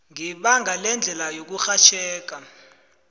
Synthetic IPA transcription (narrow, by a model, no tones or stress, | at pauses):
ŋiɓaŋɡʱalɛnd͡ɮʱɛlajok̬uxat͡ʃʰɛːk̬a